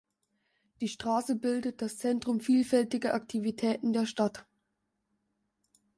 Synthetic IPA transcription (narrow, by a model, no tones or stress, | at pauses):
d̥iːʃtʁ̥aːsəbɪldət̚d̥ast͡sɛntʁ̥ʊmfiːlfɛltɪɡɐʔak̚tʰivitʰɛːtn̩deːɐʃtat